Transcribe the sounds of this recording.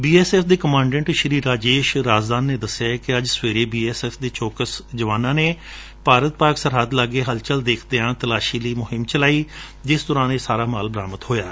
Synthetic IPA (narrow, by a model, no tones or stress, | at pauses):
biːɛːsɛːfd̪eːkəmãːɳɖɛ̃ɳʈʃəɾiːɾaːd͡ʒeːʃɾaːd͡ʒd̪aːnːeːd̪əsːɪjaːkɪəd͡ʒsʋeːɾeːbiːɛːsɛːfd̪eːt͡ʃoːkəsd͡ʒəʋaːnãːneː | paːɾət̪̚paːksəɾɦəd̪laːɡeːɦəlt͡ʃəld̪eːkʰd̪eːãːt̪əlaːʃiːləiːmʊɦɪmt͡ʃəlaːiː | d͡ʒɪsd̪ʊɾãːneːsaːɾaːmaːlbəɾaːmət̪ɦoːjaː